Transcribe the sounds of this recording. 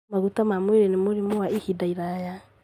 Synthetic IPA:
maɣutamamweɾɛnemoɾimowaihidaiɾaja

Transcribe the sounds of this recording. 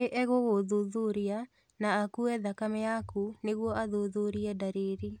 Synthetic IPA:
eʔɛɣoɣoðuðuɾia | naːkuɛðakamɛjakuneɣwɔʔaðoðuɾiɛdaɾeɾi

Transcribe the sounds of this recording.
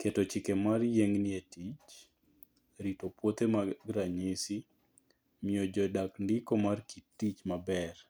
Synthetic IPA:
ketot͡ʃɪkemarjeŋnɪetit͡ʃ | ɾitopwot̪emaɡɾaɲisi | miod͡ʒɔdakndɪkomarkitːit͡ʃmabɛr

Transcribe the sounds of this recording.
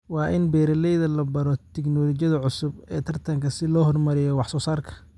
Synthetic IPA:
wɑːʔɪnbɛːɾɐlɛjðɐlɐbɐɾɔt̪ʰɛɡnɔːlɔt͡ʃjɐðɐʕʊsʊbɛːt̪ʰɐrt̪ʰɐŋkʰɐsɪlɔːɦɔrmɐɾɪjɔwɑħsɔːsaːrkʰɐ̥

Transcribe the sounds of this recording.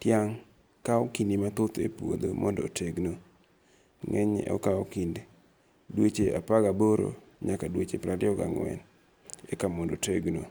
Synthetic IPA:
tjaŋ | kaɔkinimat̪ʊt̪epwo̰d̪o̰mɔndɔ̰tʰeɡno | ŋɛɲɛ̰ɔ̰kaokinde | dwet͡ʃea̰paɡaboɾo̰ɲakadwet͡ʃepɾadɪɔɡa̰ŋwɛ̰n | ekamɔndoteɡno

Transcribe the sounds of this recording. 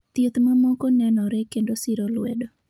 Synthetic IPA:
t̪et̪mamɔkɔnɛnɔɾɛkendosɪɾolwɛdo

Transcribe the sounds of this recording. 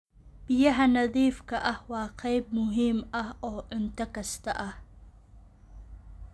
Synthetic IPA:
b̥ɪjɐɦɐnɐðiːfkʰɐʔɐhwɑːqɑjb̚mʊɦiːmɐhɔːʕʊnt̪ʰɐkʰɐst̪ʰɐʔɐh

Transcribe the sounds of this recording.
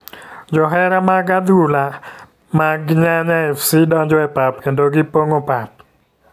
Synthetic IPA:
d͡ʒɔɦɛɾamaɡad̪ula | maɡɲaɲaɛfsɪdɔɲd͡ʒɔɛpap̚kendoɡɪpoŋopap̚

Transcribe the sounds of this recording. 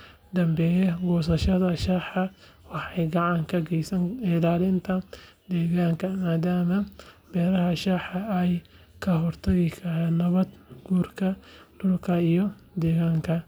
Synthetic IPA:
d̪ɐmbɛːjɛɡɔːsɐʃɐðɐʃaːħɑ | wɑħɑjɡɑʕɑŋkʰɐɡɛjsɐŋɪlaːlɪnt̪ʰɐ | d̪ɛːɣaːŋkʰɐmaːd̪aːmɐbɛːɾɐɦɐʃaːħɐɛj | kʰɐɦɔrt̪ʰɐɣɪkʰɐɦɛːd̪nɐβɐd̪ɡuːrkʰɐd̪̥ʊlkʰɐijɔ | d̪ɛːɣaːŋkʰɐ

